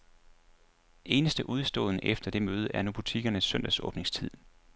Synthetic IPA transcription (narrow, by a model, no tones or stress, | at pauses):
ʔe̝ːnəsd̥əʔuð̞ˠsd̥ɔ̰̽ːðˠnəʔefd̥ɐd̥e̝møːð̞̩ˠəʔæɐnob̥ʰut͡sʰiɡ̥ɐnəsːœn̰d̥æsɔ̽ːb̥ne̝ŋst͡sʰið̞̰ˠ